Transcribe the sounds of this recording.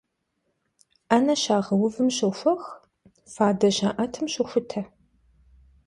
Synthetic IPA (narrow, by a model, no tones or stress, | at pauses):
ɐnɐɕaːʁɐwʊvɨmɕɨfʷɐx | faːdɐʃaːʔɐtʰɨmɕɪxʷʊtʰɐ